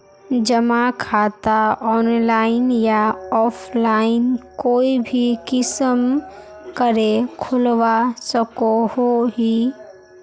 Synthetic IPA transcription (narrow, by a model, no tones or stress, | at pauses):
d͡ʒəmakʰaːt̪aɔːnlaːɪnjaɔːpʰlaːɪnkoːibʱikɪsəm | kəɾekʰʊlʋasəkohoɦi